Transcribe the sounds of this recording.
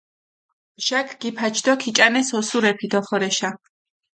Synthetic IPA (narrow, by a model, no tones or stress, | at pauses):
ʒ̥akʰɡ̥ipʰat͡ʃʰd̪ɔkʰit͡ʃʼanɛsɔsuɾɛpʰid̪ɔχɔɾɛʃa